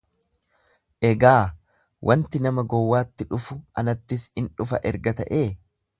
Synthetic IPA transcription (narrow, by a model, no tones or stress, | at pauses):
ʔɛɡaː | wʔɐnt̪ɪnɐmɐɡɔwːaːt̪ːɪᶑʊfʊɐnɐt̪ːɪsɪnᶑʊfɐʔɛɾɡɐt̪ɐ̰ʔeː